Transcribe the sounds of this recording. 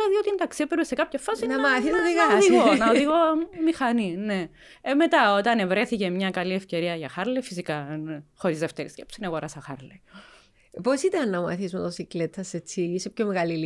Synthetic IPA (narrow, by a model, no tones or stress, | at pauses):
lɐðiot̪int̪ɐksiepeɾsekɐpçɐfɐsinɐmɐθizmeðiɣɐðiɣonɐoððiɣomixɐnine | me̞t̪ɐot̪ɐnevɾe̞θice̞mɲɐkɐliefce̞ɾiɐʝɐxɐɾlefisikɐnxo̞ɾizðeft̪eɾḭscepsineɣoɾɐsɐxɐ̰ɾle | posit̪ɐnːɐmɐ̰θizmet̪osiklet̪ʰːɐset͡sisepçomeɣɐlil